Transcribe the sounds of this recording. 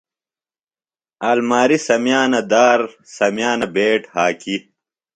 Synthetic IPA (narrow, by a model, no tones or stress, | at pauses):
aːlmaːɾisɐmjaːnɐd̪aːɾ | sɐmjaːnɐbeːʈhaːki